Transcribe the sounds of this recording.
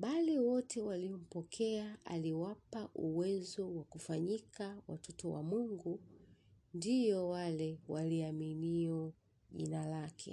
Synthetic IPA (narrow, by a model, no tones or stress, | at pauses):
ɓaliwɔtʰɛwaliɔm̩pɔkʰɛaa̰liwapaʔuwɛzɔwakufaɲikawatʰɔtɔwa̰muŋɡu | ndijɔwalɛwaliaminiɔ | ʄḭnalakʰɛ̰